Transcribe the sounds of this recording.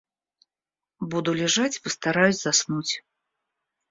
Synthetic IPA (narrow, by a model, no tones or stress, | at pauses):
bud̪ulʲɛʐat͡sʲpɨst̪aɾajusʲzasnut͡sʲ